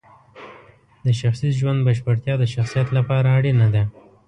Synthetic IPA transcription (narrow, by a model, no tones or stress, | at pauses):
d̪əʃaxsizʒwand̪̚baʃbaɽt̪jɑd̪əʃaxsijat̪lapɑɾaːɽinad̪a